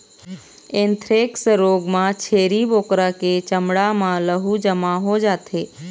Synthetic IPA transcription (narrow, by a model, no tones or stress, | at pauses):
ent̪ʰɾeksɾoːɡmãt͡ʃʰeːɾiboːkɾaket͡ʃəmɽamãləɦud͡ʒəmaɦod͡ʒaːt̪ʰeː